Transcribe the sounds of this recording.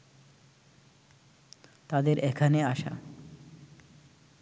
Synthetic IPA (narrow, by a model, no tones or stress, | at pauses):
t̪ad̪eɾʔekʰaneaʃa̰